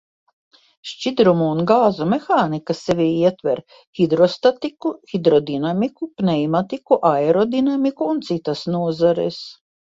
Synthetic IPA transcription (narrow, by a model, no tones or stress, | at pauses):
ʃt͡ʃid̪ɾumuːnɡaːzumexaːnikasevʲiiɛt̪vɛɾ | xid̪ɾɔst̪at̪ikuxid̪ɾɔd̪inamikupnɛjmat̪ikuʔaeɾɔd̪inamikuːnt̪sit̪asnuɔzaɾḛs